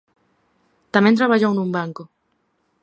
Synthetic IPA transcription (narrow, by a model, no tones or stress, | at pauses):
t̪amẽnt̪ɾaβaʎownũmbaŋko